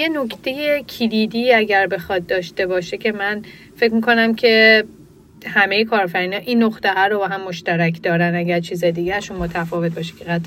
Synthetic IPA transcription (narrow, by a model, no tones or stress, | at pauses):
je̞nokʰt̪ʰe̞jecʰilid̪iːæɟæɾbe̞xɒːt̪̚d̪ɒːʃt̪e̞bɒːʃe̞cʰe̞mæn | fecmiko̞næmcʰe̞ | hæme̞jekʰɒːɾfæɾiːnɒːʔinːoχt̪æɦɒɾobɒːɦæmːoʃt̪æɾækʰd̪ɒːɾænæɟæɾt͡ʃʰiːzɒjd̪iɟæʃumoːt̪ʰæfɒːvet̪̚bɒːʃi̥kʰeɣæt̪